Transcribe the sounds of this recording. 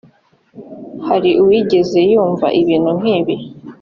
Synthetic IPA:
haɾiuwiːɟe̞ze̞juːɱva̰ʔiβiːn̥huŋ̥hiːβi

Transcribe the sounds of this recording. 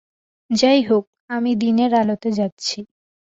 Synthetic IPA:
d͡ʑajɦok̚amid̪ineɾalot̪ed͡ʑatːɕʰi

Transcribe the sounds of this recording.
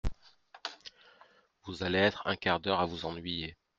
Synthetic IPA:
vuzaleɛt̪χɛ̰̃kaʁd̪œʁavuzɑ̃nɥije

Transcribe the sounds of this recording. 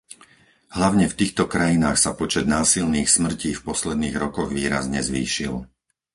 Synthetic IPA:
ɦlaʊɲɛft̪iːxt̪ɔkɾajinaːxsapɔt͡ʃɛd̪naːsilniːxsmr̩ciːfpɔslɛd̪niːɣɾɔkɔɣʋiːɾa̰zɲɛzʋḭːʃil

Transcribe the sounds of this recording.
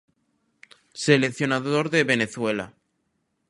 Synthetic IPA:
sele̞kθjo̞naðoɾðe̞βene̞θwe̞la̰

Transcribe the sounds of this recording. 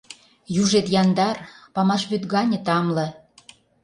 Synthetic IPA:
juʒet̪jɑnd̪ɑrpɑmɑʃβyt̪ɣɑnʲə̆t̪ɑmlɤ̆

